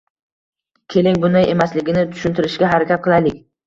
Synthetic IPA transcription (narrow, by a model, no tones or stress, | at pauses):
kʲʰe̞lɪŋʲbʊnd̪aje̞maslɪɡʲɪnɪt̪ʰʊ̥ʃʊnt̪ʰɪɾɪʃɡʲaɦaɾakʲat̪̚qʰɨlˠajlɪkʲ